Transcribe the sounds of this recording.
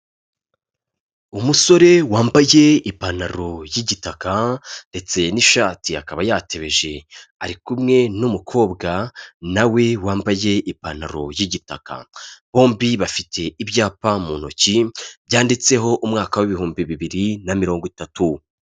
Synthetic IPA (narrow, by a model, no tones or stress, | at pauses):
umuso̞ɾe̞waːmbaje̞ipanaɾo̞jiɟitakande̞t͡se̞niʃaːtiakaβajaːtʰe̞βe̞ʒe̞aɾikumŋe̞numukʰo̞ːbɡanawe̞waːmbaje̞ʔipana̰ɾo̞̰jiɟitaka̰β̥o̞ːmbiβafitʰe̞ibjaːpamunocibjaːndit͡se̞ɦo̞ʔumŋaːkawiβihuːmbiβiβiɾinamiɾo̞ːŋɡitatu